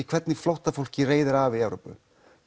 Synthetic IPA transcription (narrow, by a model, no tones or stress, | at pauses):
ɪkʰv̥ɛt̪nɪflowht̪afowl̥cɪreːjðɪɾavɪɛvɾo̰wpʏ̰